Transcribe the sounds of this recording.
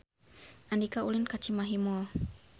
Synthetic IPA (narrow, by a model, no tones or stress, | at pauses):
ʔandikaulinkat͡ʃimaɦimɔl